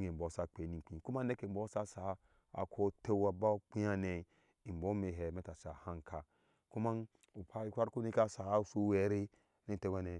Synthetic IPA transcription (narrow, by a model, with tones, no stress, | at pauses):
ɡe˨bo˨˦sa˦k͡pe˨˦ni˨k͡pĩ˨ku˦ma˦ne˦ke˨bo˨˦sa˦sa˨˦ | a̰˨kʰo˦te˦wa˨ba˦k͡pi˦a˦ne˨ | i˨m˨bo˦me˨ɦɛ˨me˦ta˨sa˨ha˦ŋkʰa˨ | ku˦ma˦n | u˨pa˦i˦kʷa˦ɾku˦ni˦ka˦sa˨˦su˦we˨˦ɾi˦ | ni˦˨te˦wa˨ne˨